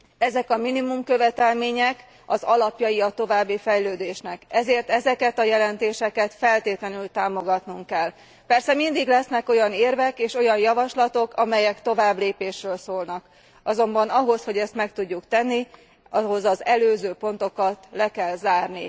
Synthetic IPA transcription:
ɛzɛkɒminimumkø̞vɛt̪ɛlmeːɲɛk | ɒzɒlɒpjɒjiɒt̪o̞vaːbːifɛjløːd̪eːʃnɛkɛzeːrt̪ɛzɛkɛt̪ɒjɛlɛnt̪eːʃɛkɛt̪fɛlt̪eːt̪lɛnylt̪aːmo̞ɡɒt̪nuŋkkɛlː | pɛrsɛmind̪iɡlɛsnɛko̞jɒneːrvɛkeːʃo̞jɒnjɒvɒʃlɒt̪o̞kʰɒmɛjɛkt̪o̞vaːbleːpeːʃrøːlsoːlnɒk | ɒzo̞mbɒnɒɦo̞sho̞ɟɛst̪mɛkt̪uɟːukt̪ɛnːi | ɒɦo̞zɒzɛløːzøːpo̞n̪t̪o̞kɒt̪lɛkɛlzaːrnḭ

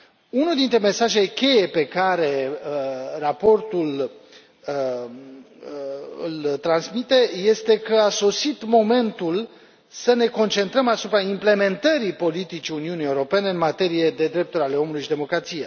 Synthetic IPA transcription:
unud̪int̪ɾe̞me̞saʒe̞jkʲe̞je̞pe̞kaɾe̞ərapo̞rt̪ul | ɨ̰lt̪ɾansmit̪e̞je̞st̪e̞kəaso̞sit̪mo̞me̞nt̪ul | səne̞ko̞nt͡ʃe̞nt̪ɾəmasupɾaimple̞me̞nt̪əɾipo̞lit̪it͡ʃiuniunijeuɾo̞pe̞ne̞ɨnmat̪e̞ɾije̞d̪e̞d̪ɾe̞p̚t̪uɾʲale̞o̞mulujʃid̪e̞mo̞kɾat̪sije

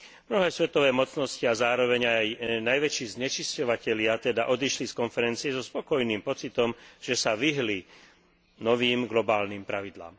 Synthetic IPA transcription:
mnɔɦɛːsʋɛt̪ɔʋɛːmɔt͡snɔsciazaːɾɔʋɛɲajnajʋɛt͡ʃiːzɲɛt͡ʃiscɔʋacɛʎɪat̪ɛd̪aʔɔd̪iʃliskɔnfɛɾɛnt͡siɛzɔspɔkɔjniːmpɔt͡sit̪ɔmʒ̥ɛsaʋiɦli | nɔʋiːmɡlɔbaːlniːmpɾaʋid̪la̰ːm

